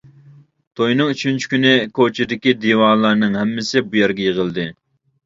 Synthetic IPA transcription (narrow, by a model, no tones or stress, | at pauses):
t̪ʰojnɨŋyt͡ʃʰynt͡ʃʰi̥kʲynɪkʰot͡ʃʰɪd̪ɪkʲid̪iwɑːlˠɑɾnɨŋɦɛmːɪsɪbujɛɾɡʲɛjeʁəlˠd̪ɨ